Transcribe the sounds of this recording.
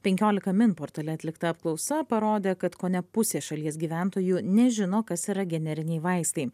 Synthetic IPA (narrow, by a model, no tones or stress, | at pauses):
pʲɛŋʲkʲoːlʲɪkɐmʲɪnpoːɾt̪ɐlʲɛɐt̪ʲlʲɪkt̪ɐːpklˠɒʊsɐpɐɾoːd̪ʲeːkɐt̪koːnʲɛpʊsʲeːʃɐlʲiɛsɡʲiːʋʲæˑnt̪oːjuːnʲɛʒʲɪnoːkɐsiːɾɐɡʲɛnʲɛɾʲɪnʲɛɪʋɐɪst̪ɐɪ